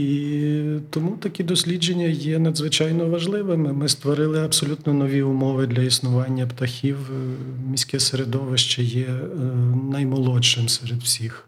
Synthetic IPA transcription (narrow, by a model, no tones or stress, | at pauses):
i | t̪ɔmut̪ɐkʲid̪ɔsʲlʲid͡ʒenʲːɐjɛnɐd̪zʋɪt͡ʃɑjnɔʋɐʒlˠɪʋɪmɪmɪst̪ʋɔɾɪlˠɪɐbsɔlʲut̪nɔnɔʋʲiʊmɔʋɪd̪lʲɐisnʊʋɑnʲːɐpt̪ɐxʲiwmʲisʲkɛseɾed̪ɔʋɪʃt͡ʃɛjɛ | nɐjmɔlˠɔɪmsɛɾed̪wsʲix